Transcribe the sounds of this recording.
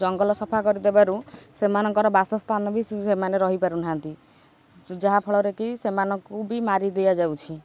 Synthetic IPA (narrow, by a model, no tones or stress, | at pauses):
d͡ʒɔŋɡɔlɔsɔpʰakɔɾid̪ebaɾusemanɔŋkɔɾɔbasɔst̪ʰanɔbisemaneɾɔɦipaɾunaɦant̪i | d͡ʒaɦapʰɔɭɔɾekisemanɔŋkubimaɾid̪ejad͡ʒawt͡ʃʰi